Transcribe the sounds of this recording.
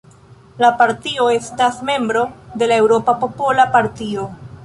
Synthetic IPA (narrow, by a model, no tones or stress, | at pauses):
lapaɾtio̞e̞stasme̞mbɾo̞de̞lae̞wɾo̞papo̞po̞lapaɾtio̞